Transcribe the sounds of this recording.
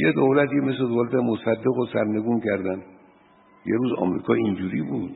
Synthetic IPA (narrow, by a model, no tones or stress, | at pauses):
jed̪owlæt̪ʰjemesled̪olæt̪emosæd̪ːe̞ɣosæɾne̞ɡuːncʰæɾd̪æn | jeɾuːzɒ̰ːmɾḭːkʰɒːind͡ʒuɾiːbud̪̥